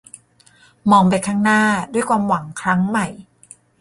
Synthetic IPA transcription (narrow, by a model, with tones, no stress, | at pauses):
mɔː˧ŋp̬a˧jkʰaː˥˩ŋnaː˥˩du˥˩əjkʰwaː˧mwa˩˦ŋkʰɾa˦˥ŋma˨˩j